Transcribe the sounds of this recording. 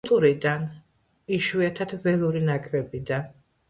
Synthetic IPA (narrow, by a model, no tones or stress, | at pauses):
t̪ʼuɾid̪an | iʃwiat̪ʰad̪̥vɛlˠuɾinakʰʼɾɛbid̪an